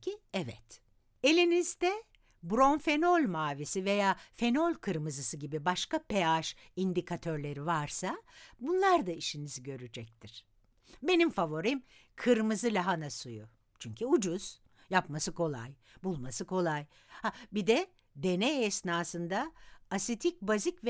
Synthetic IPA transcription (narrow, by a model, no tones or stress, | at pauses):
iɛvɛ̰t̪ | e̞lʲinizd̪ɛ | bɾo̞nfe̞no̞lʲmaːvisive̞jaːfe̞no̞lʲkʰɯɾmɯzɯsɯɟibibaʃkapeaʃ | ind̪ikʰat̪ʰø̞ɾlʲe̞ɾivaɾsabunlˠaɾd̪aiʃiniziɟø̞ɾyd͡ʒɛc̚t̪ʰiɾ̥ | be̞nimfavo̞ɾim | kʰɯɾmɯzɯlʲaɦanasujṵ | t͡ʃʰyɲcʰyud͡ʒuz̥ | japmasɯkʰo̞lˠa̰j | bulˠmasɯkʰo̞lˠaj | habid̪ɛ | d̪e̞nɛɛsnaːsɯnd̪aːsit̪ʰic̚bazicv